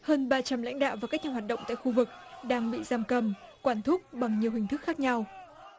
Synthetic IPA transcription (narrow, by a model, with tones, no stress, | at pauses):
həː˧nɓaː˧t͡ɕa˧mla̰˧˥jŋ̟ɗa̰ː˧˨wvaː˨˩kaː˦˥k̚ɲaː˨˧˩waː˨t̚ɗə̰˧˨wŋ͡mt̪a̰ː˧˨xu˧vɨ˨˩k̚ɗaː˧ŋɓḭ˧˨zaː˧mkə˧˩mkwaː˧˩nt̪ʰʊ˦˥k͡p̚ɓa˨˩ŋɲi˨˩əwhï˨˩ŋ̟t̪ʰɨ˦˥k̚xaː˦˥k̚ɲa˧w